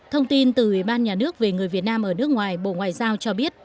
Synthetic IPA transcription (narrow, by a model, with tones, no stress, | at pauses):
t̪ʰə˧wŋ͡mt̪i˧nt̪ɨ˨˩ʔwi˧˩ɓaː˧nɲaː˨˩nɨ˦˥ək̚ve˨˩ŋɨ˨˩əjvi˨˩ət̚naː˧mʔəː˧˩nɨ˦˥ək̚ŋwaː˨˩jɓo̰˧˨ŋwaː˨jzaː˧wt͡ɕɔ˧ɓi˦˥ət̚